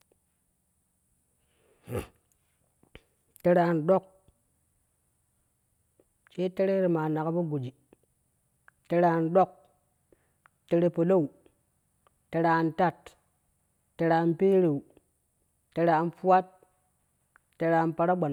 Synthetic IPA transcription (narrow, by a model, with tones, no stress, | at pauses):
te˦ɾa˨˦ndo˦k̚ | t͡ʃe˦te˦ɾe˦ɾe˨ma˨na˨ka˦ba˦ɡu˨d͡ʒi˨ | te˧ɾa˨ndo˦k̚ | te˨˧ɾe˦pu˨lo˦u˨ | te˨ɾa˨nta˦t | te˨ɾa˨npe˦ɾe˨u˨ | te˨ɾa˨nfu˦wa˦t̚ | e˨˦ɾa˨npa˨ɾa˦ɡ͡ba˨n